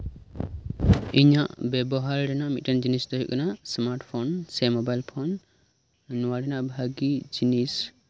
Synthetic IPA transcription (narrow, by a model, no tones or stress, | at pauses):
iɲaʔbɛbɔɦaɾɖɛnaʔmit̪̚kand͡ʒinisd̪ɔɦuʔkanasmaɾʈpʰɔnsɛmɔbajlpʰɔnː | uwaɖɛnaʔbʱaɡid͡ʒinis